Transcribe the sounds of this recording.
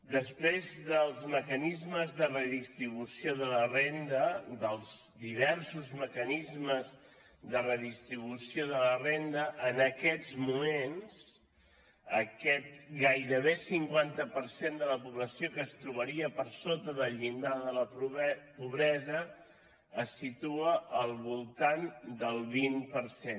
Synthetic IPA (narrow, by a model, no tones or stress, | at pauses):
d̪əspɾezðəlˠzməkənizməzðərəðist̪ɾiβ̞usioðələrend̪əd̪əlˠzd̪iβ̞ɛɾsuzməkənizməz | ðərəðist̪ɾiβusioðələrend̪əʔːnəkɛd͡zmumens | əkɛt̪̚ɡajɾəβesiŋkwant̪əpəɾsend̪ələpuβləsiokəːst̪ɾuβəɾiəpəɾsot̪əðəʎind̪aðələppuβɾɛzəː | sit̪uəʔəlˠβulˠt̪and̪əlˠβimpəɾsen